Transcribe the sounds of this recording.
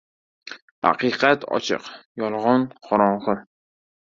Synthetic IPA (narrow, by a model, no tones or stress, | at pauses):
ha̰qiqat̪ʰɒ̰t͡ʃʰɪ̰qjɒlˠʁɒnqʰɒɾɒɴχə